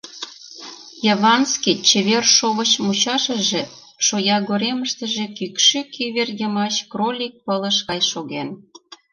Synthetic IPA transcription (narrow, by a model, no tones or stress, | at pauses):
jɑβɑnskit͡ɕĕβerʃoβət͡ɕmut͡ɕɑʃə̆ʒĕ | ʃojɑɣoɾeməʃt̪ə̆ʒĕkykʃykʰiβerjəmɑt͡ɕkrolʲik̚pələʃkɑjʃoɣen